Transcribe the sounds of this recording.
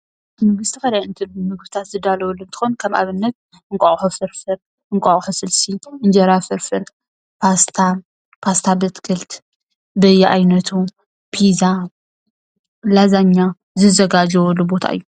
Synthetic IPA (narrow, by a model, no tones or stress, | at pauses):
mɨɡɨst̪ʰikɐd̪ajɨnt̪ʰɨmɨɡbɨt̪ʰat̪zɨd̪alɐwlːuɨnt̪ʰɨ̥xonkʰɐmʔa̰βɨnːɐt̪̚ | ɨŋkʼɐʔʼħufɨɾfɨɾ | ʔɨŋkʷʼɐχʼħusɨlsiʔɨnd͡ʒɐɾafɨɾfɨɾ | pʰast̪ʰa | pʰast̪ʰabɨt̪kʰɨlt̪ | bɐjɛʔajnɐt̪ʰu | pʰiza | lazaɲːa | zɨzɐɡad͡ʒɐwɔlːubo̞t̪ʰa̰ʔɨjːu